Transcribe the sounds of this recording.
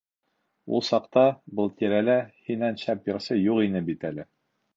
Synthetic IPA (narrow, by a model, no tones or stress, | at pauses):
ṵlˠsɑqt̪ɑbɤlˠt̪iɾælæhinænɕæpjɤ̆ɾsɤjuqinɘbit̪ælɘ